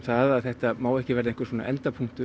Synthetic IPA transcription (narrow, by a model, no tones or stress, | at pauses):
θaðaðθɛht̪amaːwɛhcɪvɛɾɪɛnŋkvʏ̥ɾsvɔːna̰ʔɛnt̪apʰuŋ̥t̪ʏ